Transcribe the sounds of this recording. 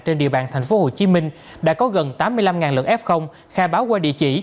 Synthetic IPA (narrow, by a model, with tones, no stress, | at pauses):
t͡ɕe˧nɗḭ˧əɓaː˨˩nt̪ʰa˨˩ŋ̟fo˨˦ho˨˩t͡ɕi˨˦mï˧ŋ̟ | ɗa̰ː˧˥kɔ˨˦ɣə˨˩nt̪aː˨˦mːɨ˧əjla˧mŋaː˨˩nlɨ̰˨˩ək̚ʔɛ˦˥p̚xə˧wŋ͡m | xaː˧˩ɓaː˨˦wkwaː˧ɗḭ˧˨ət͡ɕḭ˧˩˨